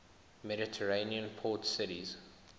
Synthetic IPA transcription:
mɛɾɪtʰəɹeniə̃npʰɔtsɪɾiz̥

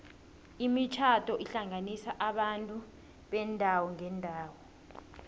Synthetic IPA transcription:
imit͡ʃʰatʰʼɔʔiɬaŋanisaʔaɓantʼu | ɓɛndʱawɔŋɛndʱaːwɔ

